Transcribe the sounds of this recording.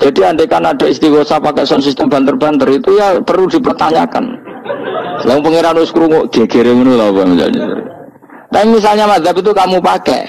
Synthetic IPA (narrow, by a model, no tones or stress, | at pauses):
d͡ʒ̥adianɖekanadaist̪iɡosapakɛʔsɔns̬ist̪əmb̥a̤nt̪ərbant̪əɾit̪ujapəɾud̥i̤pərt̪aɲaka̰n | lapəŋeɾanwoskɾuŋoʔɡ̥eɡ̥eɾemənulaapamisa̰lɲa̰ɾ̰ | t̪aimis̬alɲamad̪apit̪̬ukamupakɛ̰